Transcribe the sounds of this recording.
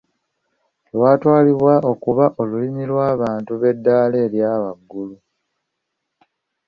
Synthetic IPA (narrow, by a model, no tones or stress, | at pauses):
lwaːtwaːliβwao̞kuβaʔo̞luliɲilwaːβaːntuβe̞dːaːleːljaːβaɡːulu